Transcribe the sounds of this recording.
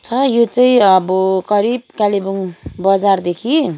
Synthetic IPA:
t͡sʰʌjot͡saĩʌbʌɡʌɾib̚kalibuŋbʌd͡zard̪ekʰi

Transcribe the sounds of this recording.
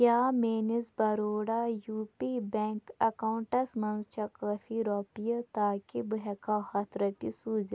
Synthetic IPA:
kjaːmeːnizbɐɾoːɽajuːpibɛŋkɐkauɳʈɐsmɐnzt͡ʃʰɐkɐfiɾɔːpijɐt̪aːkibuɦɛkahɐt̪ʰɾɐt̪isuːzi

